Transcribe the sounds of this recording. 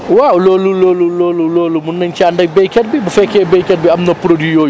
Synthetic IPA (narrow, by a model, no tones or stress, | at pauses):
wauloːluloːluloluloːlumunːɐnt͡ʃɛandɐbekʲɐɾbibufekʲebekʲɛɾbiamnɐpʊɾodujoːj